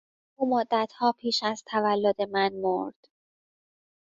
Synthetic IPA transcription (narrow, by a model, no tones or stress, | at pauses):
ʔuːmod̪ːæt̪hɒːpʰiːʃæzt̪ʰævælːod̪e̞mænmoɾd̪̥